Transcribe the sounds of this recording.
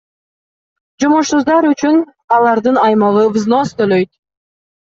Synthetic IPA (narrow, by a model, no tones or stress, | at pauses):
d͡ʒomoʃsuzd̪ɑɾyt͡ʃyn | ɑlˠɑɾd̪ɯnɑjmɑʁɯvzno̞st̪ʰøløjt̪̚